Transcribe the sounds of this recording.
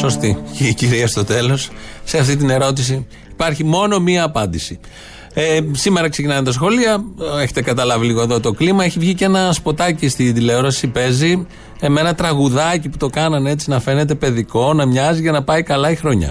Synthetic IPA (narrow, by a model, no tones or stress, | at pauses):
so̞st̪iciciɾiɐst̪o̞t̪e̞lo̞sse̞ɐft̪it̪̬ine̞ɾo̞t̪is̬iː | pɐɾçimo̞no̞miɐːpɐnd̪isi | esime̞ɾɐkse̞cinɐnet̪ɐsxo̞liɐeçe̞t̪e̞kɐt̪ɐlɐviliɣo̞eðo̞t̪o̞klimɐeçivʝice̞nɐspo̞t̪ɐcist̪id̪ile̞oɾɐsipe̞zi | eme̞nɐt̪ɾɐɣuðɐciput̪o̞kɐnɐne̞t͡sinɐfe̞ne̞t̪̬e̞pe̞ðiko̞nɐmɲɐziʝɐnɐpɐikɐlɐixɾo̞ɲɐ̰